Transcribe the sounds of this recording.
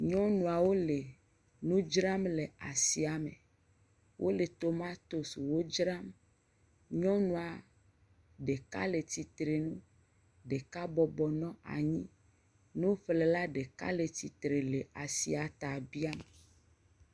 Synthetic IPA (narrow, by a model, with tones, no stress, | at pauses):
ɲɔ̃˦nũ˨a˨wo˦le˨ | nũ˦d͡ʒɾa˦mle˨a˨si˨a˨mḛ̃˨ | wʔo˦le˨t̪o˦mã˦t̪o˦su˨wo˦d͡ʒɾa˦m | ɲɔ̃˦nũ˦a˨ | ɖe˨ka̰˦le˨t̪i˨t̪ɾe˨nũ˦ | ɖe˨ka˦bɔ˨bɔ˨nɔ̃˦a̰˨ɲĩ˦ | nũ˦fle˨la˦ɖe˨ka̰˦le˨t̪i˨t̪ɾe˨le˨a˨si˨a˨t̪a˨bi˦a˦me˨